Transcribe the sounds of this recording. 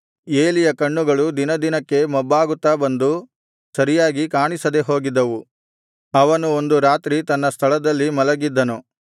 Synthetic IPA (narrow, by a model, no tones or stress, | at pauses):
eːlijɐkɐɳːuɡɐɭud̪inɐd̪inɐkːe̞mɔbːaːɡut̪ːabɐnd̪u | sɐɾijaːɡikaːɳisɐd̪e̞ɦo̞ːɡid̪ːɐʋu | ɐʋɐnuond̪uɾaːt̪ɾit̪ɐnːɐst̪ʰɐɭɐd̪ɐlːimɐlɐɡid̪ːɐnu